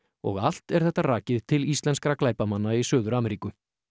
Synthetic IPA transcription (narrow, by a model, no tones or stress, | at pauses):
ɔ̰ɣal̥t̪ɛɾ̥θɛht̪ːaraːcɪðt̪ʰɪlist̪lɛnskɾaklaːjpamanːaisœːðʏɾaːmɛɾiːkʏ